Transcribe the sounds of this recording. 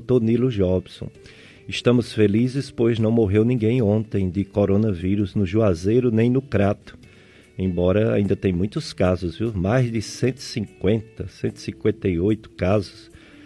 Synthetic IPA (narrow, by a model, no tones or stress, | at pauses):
t̪oɾnilʊʒɔbsõ̰ | ɪʃt̪ɐ̃mʊsfelizɪspojznɐ̃w̃moɦewnĩɡẽj̃õnt̪ẽj̃d̪ɪkoɾõnɐviɾʊznʊʒuazeɾʊnẽj̃nʊkɾat̪ʊ̥ | ẽj̃bɔɾɐa̰ĩnd̪ɐt̪ẽj̃mũj̃t̪ʊskazʊzviwmajzd̪ɪsẽnt̪ɪ̥sĩkwẽnt̪ɐsẽnt̪ɪ̥sĩkwẽnt̪eiojt̪ʊ̥kazʊs